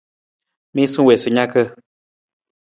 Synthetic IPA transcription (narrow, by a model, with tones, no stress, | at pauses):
mĩ˦sũ˦we˨sɨ˨ɲã˦kʰə˧